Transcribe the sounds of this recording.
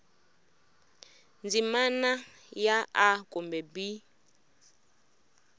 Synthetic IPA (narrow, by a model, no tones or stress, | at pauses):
nd͡zimana | jaakʼumbɛbi